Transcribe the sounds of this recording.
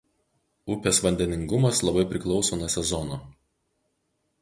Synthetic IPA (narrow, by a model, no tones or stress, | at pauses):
ʊpʲeːsʋɐnʲd̪ʲɛnʲɪŋɡʊmɐslˠɐbɐɪpʲɾʲɪklˠɒʊsoːnusʲɛzɔnoː